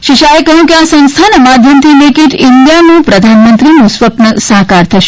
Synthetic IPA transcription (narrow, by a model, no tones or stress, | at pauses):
ʃiʃaekəɦjũkeasə̃ñst̪ʰanəmad̪ʱjəmt̪ʰinekiʈind̪ijanũpɾəd̪ʱanmənt̪ɾinũsʋəpnəsəɦkaɾt̪ʰəʃ